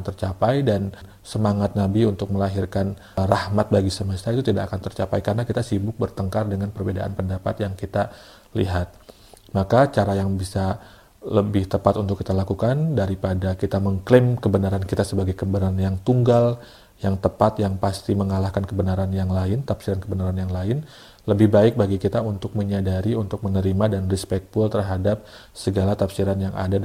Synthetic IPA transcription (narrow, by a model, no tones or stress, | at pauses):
nt̪ərt͡ʃapajdan | səmaŋat̪̚nabiunt̪ʊk̚məlaɦirkan | rahmat̪̚baɡisəməst̪ait̪ut̪idakakant̪ərt͡ʃapajkaɾənakit̪asibʊk̚bərt̪əŋkardəŋanpərbeda̰ʔa̰npəndapa̰t̪jaŋkit̪a | lḭɦat̪̚ | makat͡ʃaɾajaŋbisa | ləbɪht̪əpat̪unt̪ʊkːit̪alakukandaɾipadakit̪aməŋklɪmkəbənaɾankit̪asəbaɡajkəmbəɾanjaŋt̪uŋɡal | jaŋt̪əpat̪jaŋpast̪iməŋalahkankəbənaɾanjaŋlaɪnt̪apsiɾankəbənaɾanjaŋlaɪn | ləbɪhbaɪk̚baɡikit̪aunt̪ʊk̚məɲadaɾiunt̪ʊk̚mənəɾimadanrispɛk̚t̪̚fult̪ərɦadap̚ | səɡalat̪apsiɾanjaŋʔa̰da